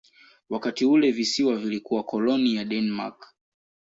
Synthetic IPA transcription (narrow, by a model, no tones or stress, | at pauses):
wakatiulɛvisiwavilikuwakɔlɔnijaɗɛnma̰k